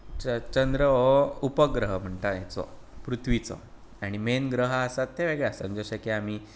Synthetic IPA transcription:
t͡ɕənd̪ɾəʋoupəɡɾəɦəm̤əɳʈ̪ajet͡sɔ̰pɾut̪ʰʋit͡sɔ̰ | aɽ̃imenɡɾəɦaːsat̪ʰːeʋeɡɭjasəmd͡ʑoɕəkeamiː

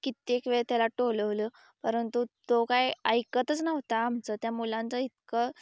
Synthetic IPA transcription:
kit̪ekʋeɭt̪jalaʈoləʋlə | pəɾənt̪ut̪okajəjkət̪ət͡snəʋt̪aːm̤t͡sət̪jamulãnt͡səit̪kə

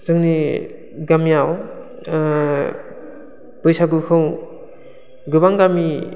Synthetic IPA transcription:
z̥ɯŋni | ɡamjaw | b̥ɯjsaɡukʰɯw | ɡɯβaŋɡami

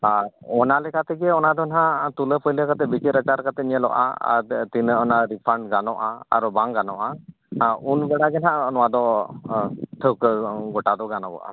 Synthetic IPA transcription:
aɾɔnalɛkat̪ɛɡɛɔnad̪ʱɔnɦãt̪uləpʰɔjləkat̪ɛbit͡ʃiɾət͡ʃaɾkat̪ɛɲəlɔ̰ʔa̰a̰t̪inəɔnaɾipʰaɳɖɡanɔʔa̰a̰ɾɔbaŋɡanɔʔa | unbɛɽaɡɛnɦãnɔwad̪ɔ | t̪ʰəwkɡɔʈad̪ɔɡanɔbɔ̰ʔa̰

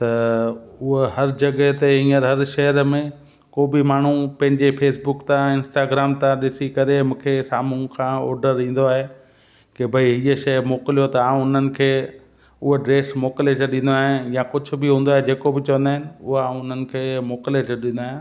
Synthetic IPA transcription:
t̪ɐʊɦohɐɾd͡ʑɐɡəɦt̪eɦĩːəɾɦɐɾʃɐɦəɾmẽ | koːbɪmaːɳ̤upɐ̃ɦɪ̃ɲd͡ʑepʰeːsbʊkt̪ãɪ̃nsʈaːɡɾaːmt̪ãɗɪsikɐɾemũːkʰesaːmũkʰãːɔ̰ːɾɖəɾĩːn̆d̪oaːɦe | kebʱɐiɦiːəʃɐjmoːkɪlijot̪ɐaːũʊn̤ənɪ̆kʰeː | ʊɦoɖɾeːsmoːkled͡ʑeɗɪ̃n̆d̪oaːɦɪnjãkʊd͡ʑʱʊ̆bɪɦũːn̆d̪oaːɦed͡ʑeːkobɪt͡ɕɐʋə̃nd̪aːɦɪnɪ̆ʊɦãːʊn̤ənɪ̆kʰeːmoːklet͡ɕeɗɪ̃nd̪oaːɦɪ̃nɪ

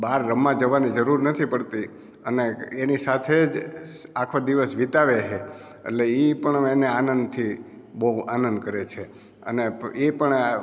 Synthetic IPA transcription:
baɾːəmːãd͡ʒəʋanid͡ʒəɾuɾnət̪ʰipəɽt̪i | əneenisat̪ʰed͡ʒakʰod̪iʋəsʋit̪aʋeɦe | ḛʈleipəɳeneanənd̪t̪ʰi | bəɦuanənd̪kəɾet͡ʃʰe | ə̰neepəɳ

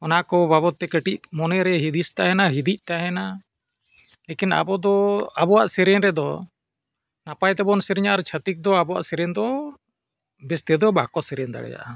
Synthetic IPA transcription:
ɔnakɔbaβɔt̪ːɛkəʈic̚mɔnɛɾɛɦid̪ist̪aɦɛnaɦid̪ic̚ˀt̪aɦɛna | lekina̰bɔd̪ɔabɔwaʔsɛɾɛnɾɛd̪ɔ | napajt̪ɛbɔnsɛɾɛɲaaɾt͡ʃʰət̪ik̚d̪ɔabɔwa̰ʔsɛɾɛnd̪ɔ | bɛst̪ɛd̪ɔbakɔsɛɾɛnd̪a̰ɽɛ̰d͡ʒa̰ʔa

